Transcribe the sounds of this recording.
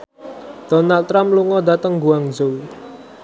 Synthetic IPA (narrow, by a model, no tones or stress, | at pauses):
d̪̥ɔnalt̪ːɾamluŋɔd̪at̪əŋɡuaŋzowi